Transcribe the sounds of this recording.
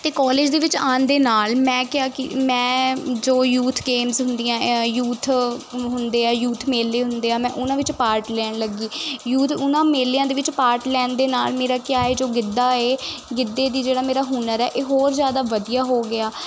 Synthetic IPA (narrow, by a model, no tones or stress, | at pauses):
t̪eːkɔːleːd͡ʒd̪eːʋɪt͡ʃaːnd̪eːnaːlmɛ̃ːkɪjaːkimɛ̃ːd͡ʒoːjuːt̪ʰɡeːmzɦʊnd̪ijãːjuːt̪ʰɦʊnd̪eːaːjuːt̪ʰmeːleːɦʊ̃nd̪eːaːmɛ̃ːʔʊnãːʋɪt͡ʃpaːɾʈlɛːɳləɡiːjuːt̪ʰʊnãːmeːleːãːd̪eːʋɪt͡ʃpaːɾʈlɛːnd̪eːnaːlmeːɾaːkjaːeːd͡ʒoːɡɪd̪ːaːeːɡɪd̪ːeːd̪iːd͡ʒeːɽaːmeːɾaːɦuːnəɾɛːʔeːɦoːɾzjaːd̪aːʋəd̪ijaːɦoːɡɪaː